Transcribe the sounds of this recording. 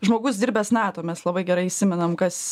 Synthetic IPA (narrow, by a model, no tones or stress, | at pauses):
ʒmoːɡʊs̬d̪ʲiːɾʲbʲɛsnæːt̪oːmʲɛslˠɐbɐɪɡʲɛɾɐɪisʲɪmʲɛnɐmkɐs